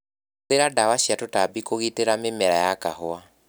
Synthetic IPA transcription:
eɾadawaɕiatotabikoɣiteɾamemɛɾajakaɦɔa

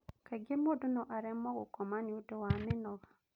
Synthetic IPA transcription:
kaɡemodonɔʔaɾɛmɔɡɔkɔmanjudewamɪnɔɡa

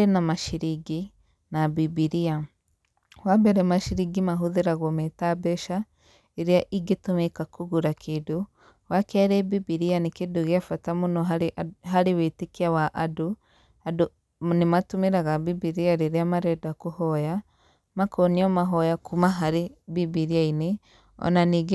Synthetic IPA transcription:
aɾenamaʃiɾiɡi | nabibiɾia | wabɛɾɛmaʃiɾiɡimaɦuðeɾaɣɔmetabɛʃa | eɾiaʔiɡitumeikakʰuɣuɾakʰidu | wakaɾɛbibiɾianekeduɣeafatamunɔaɦaɾewetekiawaʔadu | ado | nematumeɾaɣabibiɾiaɾeɾeamaɾɛdakuhɔja | makɔniɔmaɦɔjakʰumaɦaɾebibiɾiaine | ɔ̰naniɡ

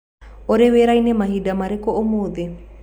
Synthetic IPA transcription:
oɾeweɾajnemaɦidamaɾekoʔomod̪e

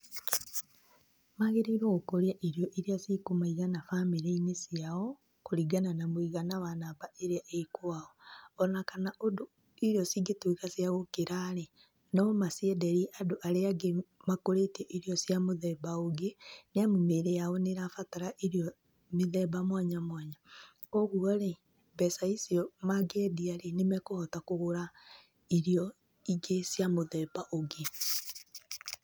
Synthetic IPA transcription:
maɣeɾiɾoɣukoɾjaʔiɾjoʔiɾijasikumaiɣanafamiɾeinesjawo | kuɾiɡananamwiɣanaβanaβaeɾjaʔekuaoonakanaʔodu | iɾjosiɡetuikasjaɣokiɾale | nomasiedeɾiʔaduʔaleaɡemakoɾetɛʔiɾiɔsjamoðɛbaoɡeneamomeɾejaoneɾafataɾaʔiɾiɔ | meðɛbamwaɲamwaɲa | kɔɣuaɾe | bɛsaisiɔmaɡɛdiaɾenemɛkohɔtakoɣoɾa | iɾijɔ | iɡesjamoðɛbaʔoɡe

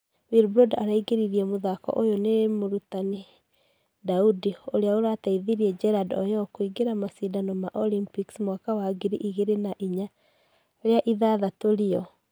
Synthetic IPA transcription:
wiɾbɾodaɾaiɡeɾiɾiɛmoðakɔ̰ʔojonemoɾutani | daudioɾeaoɾataiðiɾiɛd͡ʒɛɾadɔjɔkoiɡeɾamasidanɔmaʔɔlimpiksmwakawaɡiɾiʔiɣeɾenaʔiɲa | ɾeaʔiðaðatoɾiɔ

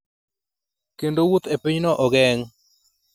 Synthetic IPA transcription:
kendowut̪epɪɲnɔʔɔɡɛŋ

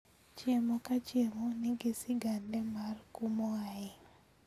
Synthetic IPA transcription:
t͡ʃjemokat͡ʃjemonɪɡɪsɪɡandɛmarkumoaɪ

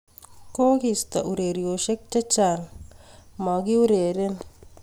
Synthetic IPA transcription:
koːɡist̪ɐ̰ʔuɾeːɾijoːʃek̚t͡ʃɐt͡ʃaːn | maɡiuɾeːɾen

